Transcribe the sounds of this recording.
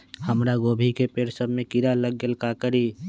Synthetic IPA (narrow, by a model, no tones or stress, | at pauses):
həmɾaɡoːbʱikepeːɽsəbʱmẽkiɾaləɡːəlkakəɾi